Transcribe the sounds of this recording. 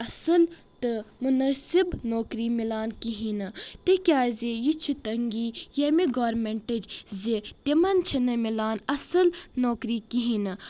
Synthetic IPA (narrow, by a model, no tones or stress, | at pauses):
ɐsɐl | t̪ɨmunɐsibnoːkɾiːmilaːnkiɦinɨt̪ekʲjaːzejit͡ʃʰut̪ɐŋɡiːjemiɡaːɾmeɳʈɐd͡ʒzet̪imɐnt͡ʃʰɐnɐmilaːnɐsɨlnoːkɾiːkiɦinɨ